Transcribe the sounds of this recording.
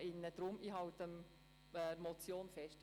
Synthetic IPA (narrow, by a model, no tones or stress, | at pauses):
ɪnːəd̪ɾʊmiːɦɑwt̪əm | mɔt͡sjoːnfɛʃt